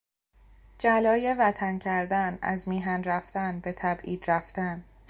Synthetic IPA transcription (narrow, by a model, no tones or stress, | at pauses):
d͡ʒælɒːje̞væt̪ʰæncʰæɾd̪ænæ̰zmiːɦænræft̪ænbe̞t̪ʰæbʔiːd̪̥ɾæft̪æn